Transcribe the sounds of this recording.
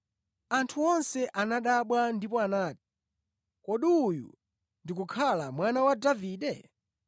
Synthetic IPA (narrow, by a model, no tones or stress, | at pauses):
antʰuɔnsɛʔanaɗaɓwandipɔanaːti̥ | kɔɗiujṵ | ndikukʰalamwanawadaviːɗɛ